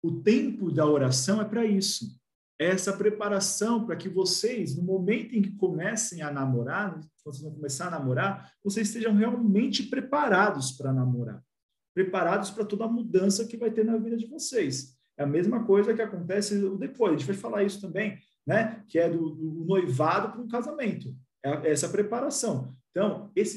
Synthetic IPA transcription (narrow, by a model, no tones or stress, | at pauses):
ʊt̪ẽmpʊd̪ɐoɾasɐ̃w̃ɛpɾɐisʊ | ɛɛɛsɐpɾepaɾasɐ̃w̃pɾɐkɪvosejznʊmomẽnt̪ʊẽkɪ̥komɛsẽj̃ɐnamoɾaɾnɛkɐ̃oseznɐ̃w̃komesanamoɾaɾvosezɪst̪eʒɐ̃w̃ɦeawmẽnt͡ʃɪpɾepaɾad̪ʊspɾɐnamoɾa̰ɾ | pɾepaɾad̪ʊspɾɐt̪od̪ɐmud̪ɐ̃sɐkɪvajt̪eɾnɐvid̪ɐd͡ʒɪvosejs | ɛɐmezmɐkojzɐkɪakõnt̪ɛsɪʊd̪epojʒẽt͡ʃɪvajfalaɾisʊ̥t̪ɐ̃mbẽj̃ | nɛkɪɛd̪ʊd̪ʊnojvad̪ʊpɾɐũkazamẽnt̪ʊ | ɛɐɛɛsɐpɾepaɾasɐ̃w̃ẽt̪ɐ̃w̃esɪ